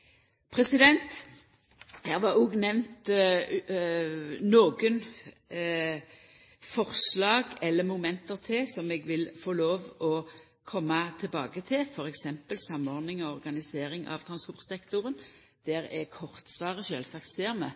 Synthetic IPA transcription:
pʰʁɛsɪd̪ɛnt̪ | hæːʁʋɑuɡnɛʋnt̪ | noːɡən | fɔʁslɑːɡɛlːəmʊmɛnt̪əʁt̪ʰɪsɔmɛːɡʋɪlfoːloːʋɔ | kʰɔmːɑt̪ʰɪlbɑːɡət̪ʰɪlfɔʁɛksɛmpəlsɑmːɔʁd̪nɪŋɔɔʁɡɑnɪseːɾɪŋɑ̰ʋt̪ʰɾɑnspɔʁt̪sɛkt̪ʊʁən | d̪̥æʁɛkʰɔʁt̪sʋɑːʁəʃøːlsɑkt̪seːʁmə

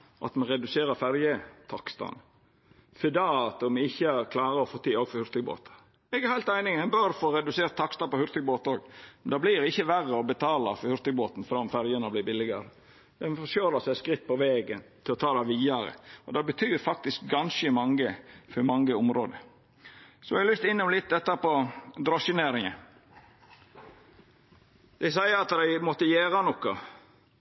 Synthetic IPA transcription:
ʔɑ̰t̪mɑnɾɛd̪ʉseːɾəɾfæɾjət̪ʰɑkst̪ɑ̰n | fɛd̪ɑɑt̪ɔmɪçːəæɾkʰlɑːɾəɔfoːt̪ʰiːoːɡfɔɾhʉɾt̪ɪɡbo̰ːt̪ə̥ | ɛɡæɾhæɪlt̪æɪnɪŋɛnbœɾfoːɾɛd̪ʉseːɾt̪ʰːɑkst̪ɑpɔhʉɾt̪əɡ̚boːt̪oːɡmɛnd̪ɑːblɪɾɪçːəʋærəɔbət̪ʰɑːlɑfɔɾhʉɾt̪əɡboːt̪n̩fɾɑɔmfæɾjənəblɪːɾbɪlɪɡɑɾə | d̪̥ɛnfɔʃjøːləsæɪskɾɪt̪̚ːpʰɔʋeːɡənt̪ʰɪlɔt̪ʰɑːd̪ɑʋiːɑɾə̰ʔɔd̪ɑːbət̪ʰyːɾfɑk̚t̪ɪsk̚ɡɑnsəmɑŋːəfɔɾmɑŋːəʊmɾo̰ːd̪ə | sɔɛɑlʏst̪ɪnːʊmlɪt̪̚d̪ɛt̪ːɑpɔd̪ɾɔʃɪneːɾɪŋə | d̪̥æɪsæɪəɾɑt̪d̪æɪmɔt̪ːəjeːɾɑnɔkːɑ

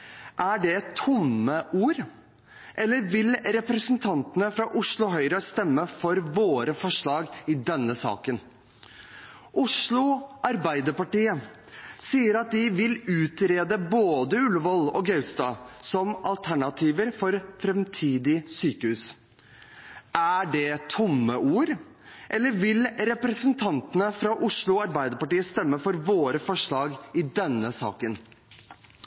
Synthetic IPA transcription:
ʔæɖɛɛt̪ʰːʊmːəʔuːɾ | ʔɛlːəɾʋɪlɾɛpɾəsənt̪ʰɑnt̪ənəfɾɑʔʊʂɭʊɦœʏɾəst̪ɛmːəfɔɾʋoːɾəfɔʂɭɑːɡɪd̪ɛnːəsɑ̰ːkən | ʔʊʂɭʊʔɑɾbæɪd̪əɾpɑʈiːə | siːəɾɑt̪̚d̪ɪʋɪlʉːt̪ɾeːd̪əboːd̪əʉlʋɔlɔɡɑʉst̪ɑːsɔmʔɑlt̪ʰæɳɑt̪ʰiːʋəɾfɔɾfɾɛmt̪ʰiːd̪ɪsyːkəhʉːs | ʔæɖɛt̪ʰʊmːəʔuːɾ | ʔɛlːəɾʋɪlɾɛpɾəsənt̪ʰɑnt̪ənəfɾɑʔʊʂɭʊɑɾbæɪd̪əɾpɑʈiːəst̪ɛmːəfɔɾʋoːɾəfɔʂɭɑːɡɪd̪ɛnːəsɑ̰ːkən

